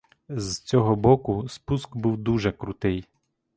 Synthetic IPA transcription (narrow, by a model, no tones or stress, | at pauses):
zt͡sʲɔɦɔbɔkʊspuskbuwd̪uʒɛkɾut̪ɪj